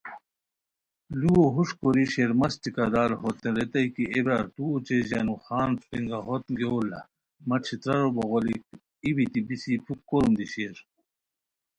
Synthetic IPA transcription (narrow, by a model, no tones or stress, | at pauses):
luoɦuʂkoɾiɕeɾmɐst͡ɕikad̪aːlɦot̪eɾet̪ɐjkiebaːɾt̪uot͡ɕeʑɐ̰nuxaːnpiŋɡaɦot̪ɡeolɐ̰ | mɐt͡ɕʰit̪ɾɐɾoboɣolik̚ | ibit̪ibisipʰukːoɾumd̪iɕeːɾ